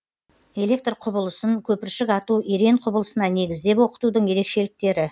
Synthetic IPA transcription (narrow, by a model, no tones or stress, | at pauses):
e̞lʲe̞k̚t̪rqʰʊbəlˠəsəŋkʲʰɵpɪɾʃɪkɑt̪ueɾe̞ɴqʰʊbəlˠəsənɑne̞ɡʲɪzd̪e̞pwo̞qə̥t̪ud̪əɴje̞ɾe̞kʃe̞lɪk̚t̪e̞ɾɪ